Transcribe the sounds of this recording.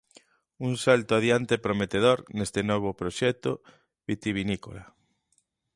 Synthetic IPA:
uŋsalt̪oaðjant̪epɾomet̪eð̞oɾnest̪enɔβ̞opɾoʃɛt̪o | βit̪iβiniko̰la

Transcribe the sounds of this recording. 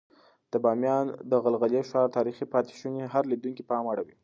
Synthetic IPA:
d̪̥əbɑmjɑnd̪əɣalɣaljeʃɑɾt̪ɑɾixipɑt̪ɪ̥ʃuneɦaɾlid̪uŋkipəɑmaɽawi

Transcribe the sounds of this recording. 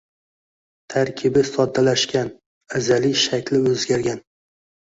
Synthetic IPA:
t̪ʰaɾkʲʰɪbɪsɒd̪ːalaʃkʲan | azaliʃakʲlɪɵzɡʲaɾɡʲan

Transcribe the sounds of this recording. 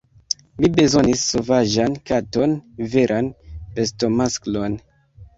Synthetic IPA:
mibe̞zo̞nisːo̞vaʒankato̞nve̞ɾʔanpesto̞masklo̞n

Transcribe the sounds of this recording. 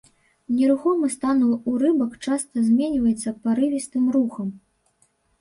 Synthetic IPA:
nʲɛɾuxɔmɨst̪anuuɾɨbɐkt͡ʂast̪ɐzʲmʲenʲvɐjɛt̪sːɐpaɾɨvʲist̪ɨmɾuxɐm

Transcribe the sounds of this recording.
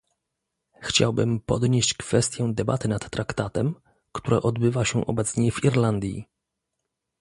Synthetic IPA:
xt͡ɕa̰wbɘmpɔd̪ɲeɕt͡ɕkfɛst̪ʲjɛd̪ɛba̰t̪ɘnat̪ːɾakt̪at̪ɛm | kt̪uɾɛ̰ʔɔd̪bɘvaɕɛʔɔbɛt̪sɲɛviɾland̪ʲjḭ

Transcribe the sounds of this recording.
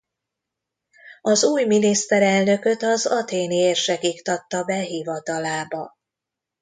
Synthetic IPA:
ɒzuːjminist̪ɛɾɛlnø̞kø̞t̪ɒzɒt̪eːnieːrʃɛkikt̪ɒt̪ːɒbɛɦivɒt̪ɒlaːbɒ

